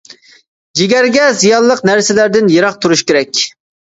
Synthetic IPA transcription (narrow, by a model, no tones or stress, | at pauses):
d͡ʒiɡʲæɾɡʲɛzijɑlˠəqnæɾsɪlæɾd̪ɪnjeɾɑq̚t̪ʰuɾuʃkʲeɾɛkʲ